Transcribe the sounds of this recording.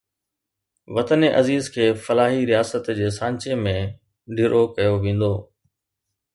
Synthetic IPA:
ʋɐt̪əneʔɐziːzkʰeːfɐlaːɦiɾijaːsət̪d͡ʑeːsãːɲt͡ɕemẽ | ɖʱɪɾʔokɐjoʋẽːn̆d̪oː

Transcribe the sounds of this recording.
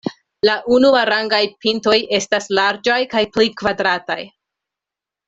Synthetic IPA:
laʔunuaɾaŋɡajpinto̞je̞staslaɾd͡ʒajkajplikvadɾata̰j

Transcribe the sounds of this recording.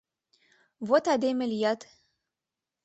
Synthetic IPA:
vot̪ad̪emelʲijat̪

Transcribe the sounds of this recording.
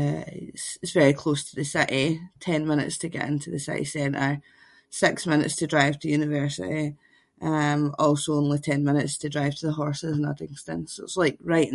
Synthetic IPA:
ɪ̰tsɪtsvɛɹikʰl̥ostʰəðəsɪʔitʰɛ̃nmɪ̃ñɪ̰tstʰəɡɛ̰ʔɪ̃ntʰəðəsɪ̰ʔḭsɛ̃nʔə˞ | sɪksmɪ̃nɪ̰tstʰədɹaɪv̥tʰɨjʉnɪvɜ˞sɪ̰ʔi | ʔʌ̃mɔlˠsoõnlˠitʰɛ̃nmɪ̃nɪtstʰədɹaɪv̥tʰəðəɦɔɹsɪzə̃nʌ̰dɪ̃ŋstɪ̰̃nsoɪtslˠaɪk̚ɹaɪʔ

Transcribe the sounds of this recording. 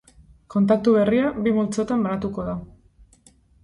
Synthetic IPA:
ko̞nt̪ak̚t̪uβe̞riabimult͡so̞t̪ambaɾat̪uko̞ða

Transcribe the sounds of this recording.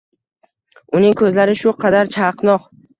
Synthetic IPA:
ʊnɪŋkʰɵzlaɾɪʃʊqʰɑd̪aɾt͡ʃʰaqnɒq

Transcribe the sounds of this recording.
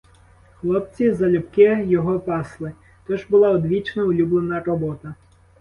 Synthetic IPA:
xlˠɔpt͡sʲizɐlʲʊpkɪjɔɦɔpɑslˠɪ | t̪ɔʒbʊlˠɑɔd̪ʋʲit͡ʃnɔʊlʲublˠenɐrɔbɔt̪ɐ

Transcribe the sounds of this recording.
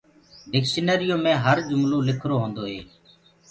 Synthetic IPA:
ɖɪkʃənəːɾɪjõːmẽːɦəɾd͡ʒʊmlũːlɪkʰɾoːɦõːnd̪oːɦḛː

